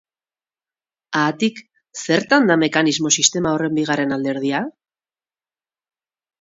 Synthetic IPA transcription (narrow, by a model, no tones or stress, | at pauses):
aːt̪ik | se̞ɾt̪and̪ame̞kanizmo̞sist̪e̞maore̞mbiɣ̞are̞nald̪e̞ɾð̞ia